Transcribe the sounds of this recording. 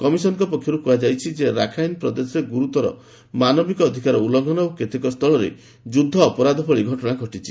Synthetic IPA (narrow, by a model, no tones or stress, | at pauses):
kɔmisɔnɔkɔpɔkʰjɔɾukuad͡ʒajt͡ʃʰid͡ʒeɾakʰajnpɾɔd̪esɔɾeɡuɾut̪ɔɾɔ̰ | manɔbikɔːd̪ʱikaɾɔulɔŋɡʱɔnɔoket̪ʰekɔst̪ʰɔɭɔɾḛ | d͡ʒud̪ʱːɔːpɔɾad̪ʱɔpʰɔɭiɡʱɔʈɔnaɡʱɔʈit͡ʃʰi̥